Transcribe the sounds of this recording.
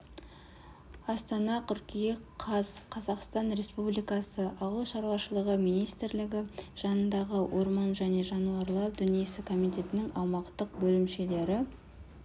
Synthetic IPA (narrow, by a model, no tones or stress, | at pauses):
ɑst̪ɑnɑt̪ʲʰʏɾkʲijeqʰɑzqʰɑzɑqst̪ɑnɾe̞spublijkɑsəʔɑʁlˠʃɑɾwɑʃəlˠəʁəmijnijst̪ɪɾlɪɡʲɪʒ̥ɑnənd̪ɑʁəwʔo̞ɾmɑnʒæne̞ʒɑnuɑɾlˠɑɾd̪ʏnije̞sɪkʰo̞mijt̪ʲe̞t̪ɪnɪŋɑwmɑqt̪əq̚bɵlɪmʃe̞le̞ɾɪ